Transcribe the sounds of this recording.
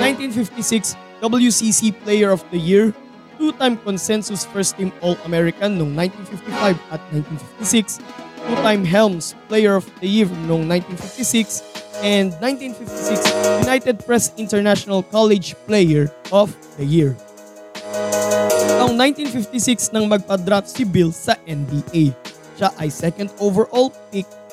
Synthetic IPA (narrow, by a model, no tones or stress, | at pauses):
nãjnt̪ĩnfɪft̪isɪks | d̪ʌbəljusisiplejɛɹɔfd̪ɐjiɹ | t̪ut̪ãjmkɔ̃nsɛ̃nsʊsfɛɹst̪ĩmɔlɐmɛɹɪkɐ̃nːɔŋnãjnt̪ĩnfift̪ifajvɐt̪̚nãj̃nt̪ĩnfɪft̪isɪkst̪ut̪ãjmɦɛlmsplejɛɹɔfd̪ɐjiɹnɔ̃ŋnãjnt̪ĩnfift̪isɪksʔɛ̃nd̪̚nãj̃nt̪ĩnfift̪isiksjʊnajt̪ɛd̪̚pɹɛsɪ̃nt̪ɛɹnaʃɔnɐlkalɛd͡ʒplejɛɹʔɔf | d̪ɐjiɹ | ɐŋt̪aŋnãjnt̪ĩnfift̪isɪksnɐŋmɐɡ̚pɐd̪ɾat̪sibɪlsɐʔɛ̃nbiʔej | ʃaʔɐjsɛkɐ̃nd̪ovɛɹʔɔlpik̚